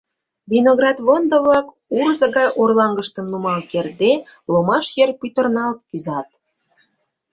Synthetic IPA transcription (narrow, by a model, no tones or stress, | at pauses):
βʲinoɣrɑt̪βond̪əβlɑk | uɾzɤ̆ɣɑjʔorlɑŋɡəʃt̪ə̆mnumɑlkerd̪e | lomɑʃjerpyt̪ərnɑlt̪̚kyzɑt̪̚